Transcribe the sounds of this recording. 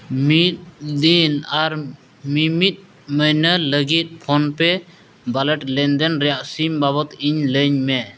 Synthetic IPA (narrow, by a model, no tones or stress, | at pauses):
mit̪̚d̪inaɾ | mimit̪̚ˀ | məjnələɡit̪̚pʰɔnpɛ | balɛʈlɛnd̪ɛnɾɛjaʔsimbaβɔt̪iɲləɲmɛ